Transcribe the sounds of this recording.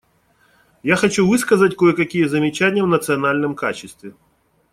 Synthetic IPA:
jaxɐt͡ɕuvɨskɐzɐtʲkojɛkɐkʲijɛzɐmʲɪt͡ɕanʲjəvnət̪sɨɐnalʲnɨmkat͡ɕɪst̪vʲɪ

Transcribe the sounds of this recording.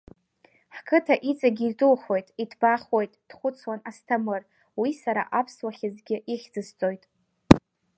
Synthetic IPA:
ħkʰɨtʰaʔit͡sʼaɡʲitʼɨlχo̞jtʼidʰbaχwo̞jtʼd̥χʷʊt͡sʰwanastʰamɨr | wisaɾa̰ʔapʰswaχʲɪzɡʲɪʔiχʲd͡zɨst͡sʼojtʼ

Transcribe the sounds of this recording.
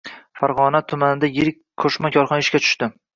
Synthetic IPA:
faɾʁɒnat̪ʰʊmanɪd̪ajeɾɪk̚ʲkʰːoʃmakʲʰɒɾχɒnɪʃkʲat͡ʃ̪ʰʊ̥ʃt̪ɪ

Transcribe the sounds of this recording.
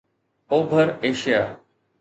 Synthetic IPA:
oːbʱəɾeːʃijaː

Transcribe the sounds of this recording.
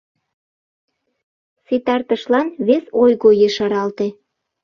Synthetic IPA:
set̪ɑrt̪əʃlɑnβesojɣojeʃɑɾɑlt̪ĕ

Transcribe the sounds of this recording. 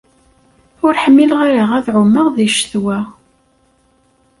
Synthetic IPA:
ʊɾħəmːilʁaɾaʁæðʕʊmːəʁðiʃθwæ

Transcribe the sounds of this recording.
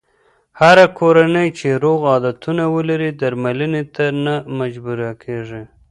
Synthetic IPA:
haɾakʰoɾanəjt͡ʃeɾoɣɑd̪at̪unawəlaɾid̪aɾmalənet̪anamad͡ʒbuɾakʰeʐi

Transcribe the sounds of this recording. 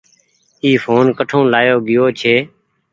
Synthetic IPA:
iːfʰoːnkəʈʰõːlaːjoːɡɪjoːt͡ʃʰeː

